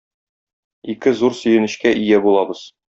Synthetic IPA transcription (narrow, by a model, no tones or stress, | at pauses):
ikɘzuɾsɵ̆jɘ̆nɘ̆ɕkæʔijæbulˠɑbɤz̥